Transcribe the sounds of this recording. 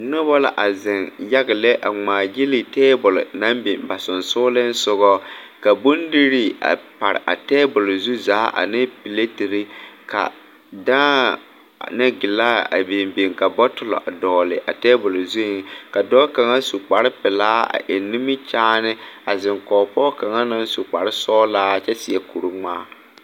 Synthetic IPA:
nʊ˦bɔ˦la̰˨ʔa˨zɪ˨nja˦ɣɪ˨lɛ˦ʔa˨ŋ͡maː˨d͡ʒɪ˦li˨tɛː˦bʊ˨l̰na˦mbi˨mba˨sʊ˨nsʊ˦lɪ˦n̩˦sʊ˦ɣɔ˦ka˨bo˦ndi˦ɾi˦a̰˨pa˨ɾɪ̰˨ʔa̰˨tɛ˦bʊ˨lzu˦zaː˨˦ʔa̰˨nɪ˦pi˨le˦ti˨ɾɪ˦ka̰˨ | daː˦ | nɛ˦ɡɪ˨laː˦˨a̰˨be˨mbe˨ŋka˨bɔ˦tʊ˨lɔ̰˨ʔa˨dɔː˨lɪ˨ʔa̰˨tɛː˦bʊ˨lzu˦˨˦ka˨dɔː˦ka˨ŋa˦su˨k͡pa˨ɾɪ˦pɪ˨laː˦a̰˨ʔe˨nːi˦mɪ˦t͡ʃaː˦nɪ˦a˨zɪ˨ŋkɔː˨pɔː˦ka˨ŋa˦na˦n˦su˨k͡pa˨ɾɪ˦sɔː˦laː˦t͡ʃɛ˦sɪ˨ɛ˦ku˨ɾu˦ŋ͡maː˦˨

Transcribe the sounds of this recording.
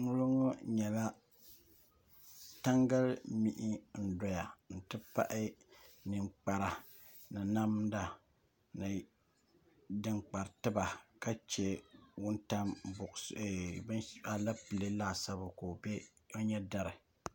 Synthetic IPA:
nʊ˦lʊ˦ŋɔ˦ɲɛ˨la˦ | ta˦ŋɡa˦lmi˦ʔɪ˦n̩˨dɔ˨ja˨n̩˨tɨ˦pa̰˦ʔɪ˦nɨ˨ŋ͡mk͡pa˨ɾa˨ | nɨ˨na˦mda˨ | nɨ˨ | dɨ˨ŋk͡pa˨ɾtɨ˦ba˨ka˦t͡ʃɛ˦wʊ˦nta˦mbʊ˨ba˨la˦pɨ˨lɨ˦laː˦˨sa˦bʊ˨ko˨bɛ˦ | o˦ɲɛ˦da˦ɾɪ˨

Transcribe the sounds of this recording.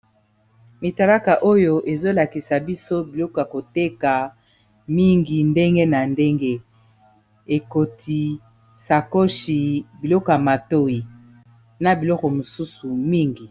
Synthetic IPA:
mi˨ta˨la˦ka˨ʔo˦jo˦ʔe˨zo˦la˨ki˨sa˨bi˦so˦bi˨lɔ˦kɔ˨ja˨ko˨te˦ka˨ | mi˦ŋɡi˨nde˦ŋɡe˦na˨nde˦ŋɡe˦ | e˨ko˨tʰi˨ | sa˨ko˦ʃi˨bi˨lɔ˦kɔ˨ja˨ma˨to˦i˨ | na˨bi˨lɔ˦kɔ˨mo˨su˦su˨mi˦ŋɡi˨

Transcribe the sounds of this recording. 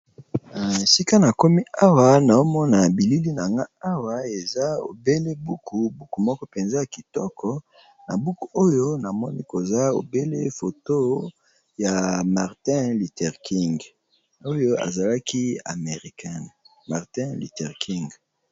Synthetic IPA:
si˦ka˦na˨ko˦mi˦a˦wa˦na˨o˦mɔ˦na˨bi˨li˦li˦na˨ŋɡa˦a˦wa˦e˨za˦o̰˨be˦le˦bu˨kʰu˨bu˨ku˨mɔ˦kɔ˦pe˨nza˦ja˨ki˨tɔ˦kʰɔ˦ | na˨bu˦ku˨ʔo˦jo˦na˨mɔ˦ni˦ko˨za˦o̰˨be˦le˦fo˨to˦ | ja˨ma˨ʁtɛ̃˦li˨tɛ˨ʁki˦ŋɡ | o˦jo˦a̰˨za˨la˦kʰi˦a̰˨me˨ʁi˨kɛ˦˨n | ma˨ʁtɛ̃˦lḭ˨tɛ˨ʁki˦ŋɡ

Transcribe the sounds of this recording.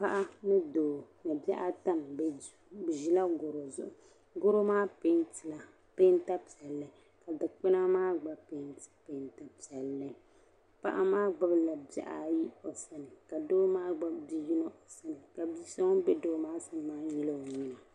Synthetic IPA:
pa˦ʔa˦nɨ˦doː˨nɨ˨bɛ˦ʔa˦ta˦˨mb | bɨ˨ʒi˦la˦ɡʊ˨ɾo˨zʊ̰˦ʔʊ˨ | ɡʊ˦ɾo˦maː˦pe˦ntɨ˨la˨ | pe˦nta˦pi˨ɛ˨lːɨ˨ | ka˨dɨ˨k͡pɪ˦na˦maː˦ɡ͡ba˨pe˦ntɨ̥˨pe˨˦nta˨pi˨ɛ˨lːɨ˦ | pa̰˦ʔa˦maː˦ɡ͡ba˦bla˨bɛ̰˨ʔa̰˦ji˦o˨sa˦nɨ˨ka˨doː˦maː˦ɡ͡ba˦bdi˦ji˦na˦ʔo˨sa˦nɨ˨ka˨bi˦sa˦ŋ˦bɛ˦doː˦maː˦sɨ˦mːaː˦ɲi˦la˦o˨ɲi˦na˨

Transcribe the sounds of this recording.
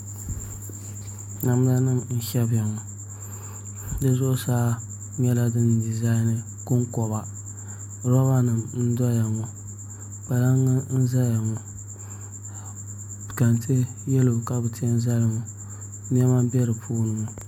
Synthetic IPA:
na˨m˦la˦nɨ˦˨ŋn̩˦ʃɛ˦ba˨ŋɔ˨ | dɨ˦zʊ˦ʔʊ˦saː˦ | ɲɛ˦la˦dɨ˦ndi˨za˦ɪ˦nɨ˦ | kʊ˦ŋkɔ˨ba˨ | ɾɔ˦ba˦nɨ˨mn̩˦dɔ˦ja˨ŋɔ˨ | k͡pa˨la˦ŋːɨ˦n̩˦za˦ja˨ŋɔ˨ | ka˨ntʰe˦ | jɛ˦lo˨ka˦bɨ˨ti˦ɛ˦n̩˦za˦la˨ŋɔ˨˦ | m˦ɛ˦ma˦bɛ˦ɾɨ˨pʰuː˦nɨ˨ŋɔ˨

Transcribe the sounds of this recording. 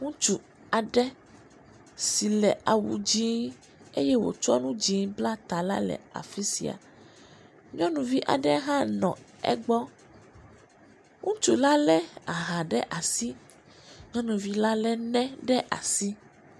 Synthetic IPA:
ŋũ˦t͡ʃu˨ | a˨ɖɛ˦ | si˨lɛ˨a˨wṵ˨d͡ʒi˦ | e˦jɛ˦wo̰˨t͡ʃɔ˦nũ˦d͡ʒĩ˨˦bla˦t̪a˨la̰˦lɛ̰˨a̰˨fi˦sḭ˨a̰˨ | ɲɔ̃˦nũ˨vi˦ʔa̰˨ɖɛ˦ɦã˦nɔ̰̃˨ɛ̰˦ɡ͡bɔ˦ | ŋũ˦t͡ʃu˨la˦lɛ˦a˨ɦã˨ɖɛ̰˦ʔa˨si˦ | ɲɔ̃˦nũ˨vi˦la˦lɛ˦nɛ̃˦ɖɛ˦ʔa̰˨si˦

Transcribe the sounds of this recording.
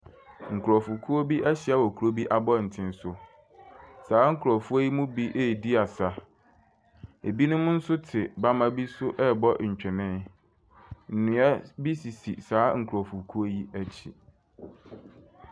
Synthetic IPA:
ŋ̩˨kʰu˨ɾɔ˨fu˨kʰu˦o˦bi˦ʔæ˦ɕɪ˨a˦wɔ˨kʰu˨ɾo˦bi˦ʔa˦bɔ˦˨n̩˨tʰɪ̃˦n˦sʊ˦ | saː˨˦ŋ̩˦kʰɾɔ˨fu˦a˦ji˦mʊ̃˦bi˦ʔe˦˨di˦a˨sa˨ | e˨bi˦nʊ̃˦mʊ̃˦n̩˦sʊ˦tʰɪ˨ba˦mã˦bi˦sʊ˦ʔɛ˦˨bɔ˦ʔɲ̩˨t͡ɕᶣɛ˨nɪ̃˦ | n̩˨nũ˨a˦bi˦si˨sḭ˨saː˨˦ŋ̩˨kʰɾɔ˨fu˨kʰu˦o˦ji˦æ˦t͡ɕʰi˨

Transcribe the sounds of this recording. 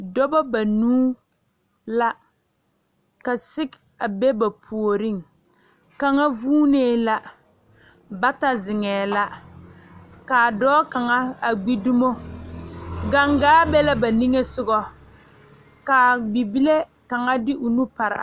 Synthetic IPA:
dɔ˦bɔ˦ba˨nuː˦ | la˦ | ka˨sɪ˦k | a˨be˦ba˨pʰu˨o˨ɾɪ˦˨ŋ | ka˨ŋa˦vuː˦neː˦˨la˦ | ba˦ta˦zɪ˨ŋɛː˨la˦ | ka˨dɔː˦ka˨ŋa˦a˨ɡ͡bi˦du˦mo˦ | ɡa˦ŋɡaː˦bɛ˦la˦ba˨ni˦ŋe˦sʊ˦ɡɔ˦ | ka˨bi˨bi˦le˦ | ka˨ŋa˦dɪ˦ʔʊ˨nu˦pa˨ɾa̰˨

